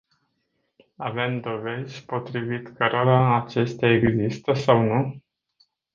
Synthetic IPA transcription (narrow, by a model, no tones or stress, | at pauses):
ave̞md̪o̞ve̞zʲpo̞t̪ɾivit̪kəɾalaːt͡ʃe̞st̪eae̞ɡzist̪əsawnu